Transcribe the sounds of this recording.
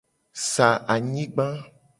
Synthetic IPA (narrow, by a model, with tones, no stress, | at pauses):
sa˨ʔa˨ɲĩ˦ɡ͡bã˦